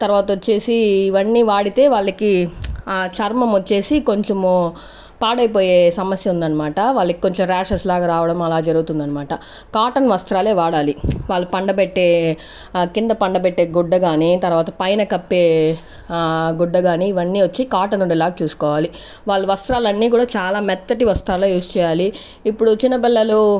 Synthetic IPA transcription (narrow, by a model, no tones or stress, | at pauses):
t̪ɐɾʋaːt̪ɐot͡ʃːe̞ːsiːʋɐnːiːʋaːɽit̪e̞ːʋaːɭːɐki | t͡ʃɐɾmɐmot͡ʃːe̞ːsiko̞ɲt͡ʃemu | paːɽɐjpoːje̞ːsɐmɐsjɐund̪ɐnːɐmaːʈɐʋaːɭːɐki̥koɲt͡ʃemɾaːʂɐslaːɡaːɾaːʋɐɽɐmɐlaːd͡ʒɐɾuɡut̪und̪ɐnːɐmaːʈɐ | kaːʈɐnʋɐst̪ɾaːle̞ːʋaːɽaːliʋaːɭːɐpɐɳɖɐbɛʈːeː | kind̪ɐpɐɳɖɐbɛʈːe̞ːɡuɖːɐɡaːnit̪ɐɾʋaːt̪ɐpɐjnɐkɐpːe̞ː | ɡuɖːɐɡaːniːʋɐnːiːʋɐt͡ʃːikaːʈɐnːuɳɖilaːɡɐt͡ʃuːsu̥kɔːʋaːli | ʋaːɭːɐʋɐst̪ɾaːlɐnːiːkuːɽaːt͡ʃaːlaːmɛt̪ːɐʈiʋɐst̪ɾaːloːjuːst͡ʃɛːjaːliː | pːuɽut͡ʃinːɐpilːɐlu